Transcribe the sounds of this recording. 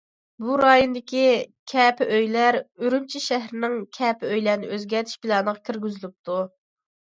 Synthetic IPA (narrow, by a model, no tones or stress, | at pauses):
buɾɑːjonɨd̪ɪkʲikʲʰɛːpʰɪʔøjlæɾyɾymt͡ʃʰiʃæɦɾɪnɪŋkʲʰɛːpɪøjlæɾnɪ̰ʔøzɡʲɛɾt̪ʰi̥ʃbɪlɑnəʁɑkʲʰiɾɡʲyzylyp̚t̪ʰu